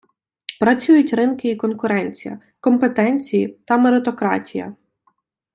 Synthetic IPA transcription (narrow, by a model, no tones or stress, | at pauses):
pɾɐt͡sʲujʊtʲrɪnkɪikɔnkʊɾɛnʲt͡sʲijɐ̰ | kɔmpet̪ɛnʲt͡sʲijit̪ɐmeɾɪt̪ɔkɾɑ̰tʲʰijɐ̰